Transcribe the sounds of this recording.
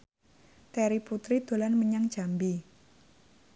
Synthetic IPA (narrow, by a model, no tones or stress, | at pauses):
t̪ɛɾiput̪ɾid̪̥o̤lanməɲaŋ̥d͡ʒ̥ambi